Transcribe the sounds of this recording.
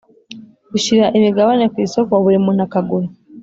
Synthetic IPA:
kuʃiɾaʔemiɡaβanekisokoβuɾimun̥hakaɡulu

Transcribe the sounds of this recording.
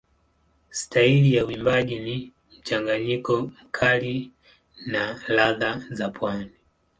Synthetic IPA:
stailijauimbaʄini | m̩t͡ʃaŋɡaɲikɔm̩kʰali | nalaðazapʰwani

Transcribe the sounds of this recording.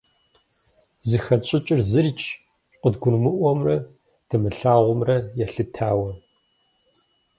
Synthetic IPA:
zɨxɐt͡ʃʼɪt͡ʃʼɪrzɨrt͡ʃʰʼ | qʷʼədɡʷʊnmɨʔʷɔmrɐ | tʰɨmɨɬaːʁʷʊmrɐjɛɬɨtʰaːwɐ

